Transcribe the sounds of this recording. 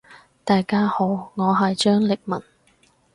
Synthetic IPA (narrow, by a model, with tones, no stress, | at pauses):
t̪aː˨jkaː˥ho˨˥wŋɔː˨˧ɦɐ˨jt͡ʃœː˥ŋlɪ˨k̚mɐ̰˨˩n